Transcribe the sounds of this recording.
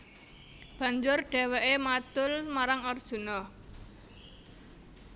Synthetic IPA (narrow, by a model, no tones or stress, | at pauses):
b̥a̤ɲd͡ʒʊrɖ̥ɛ̤wɛʔemat̪ʊlmaɾaŋɔrd̥ʒ̥ṳnɔ